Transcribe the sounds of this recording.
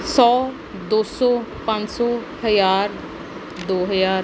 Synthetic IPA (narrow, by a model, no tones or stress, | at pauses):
sɔː | d̪oːsɔːpə̃ɲd͡ʒsɔː | həjaːɾ | d̪oːɦəjaːɾ